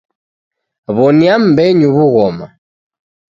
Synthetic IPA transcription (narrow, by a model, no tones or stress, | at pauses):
βɔniam̩bɛɲuβuɣɔma̰